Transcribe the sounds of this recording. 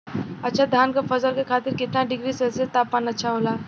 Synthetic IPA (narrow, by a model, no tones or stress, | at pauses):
ətːɕʰad̪ʱankəpfəd͡zəɾkekʰat̪iːɾkit̪nãɖiɡɾiːselsest̪apːanətːɕʰaɦola